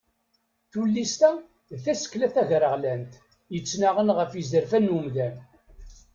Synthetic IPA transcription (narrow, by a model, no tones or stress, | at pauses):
θulːist̪æ | ðθæsə̥kːlæθæʝɾəʁlænt̪ | jət͡sːnaʁənʁəfjizəɾfænːumðæn